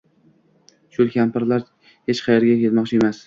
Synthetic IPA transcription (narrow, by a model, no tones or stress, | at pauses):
ʃʊkʲampɪɾlaɾ | het͡ʃqʰɑjeɾɡʲakʲe̞lmɒqt͡ʃʰɪe̞mas